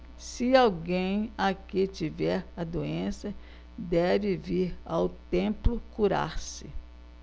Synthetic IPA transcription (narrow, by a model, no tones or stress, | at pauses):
sɪawɡẽj̃akɪt͡ʃivɛɾɐd̪oẽsɐ | d̪ɛvɪviɾa̰wt̪ẽplʊkuɾa̰ɾsɪ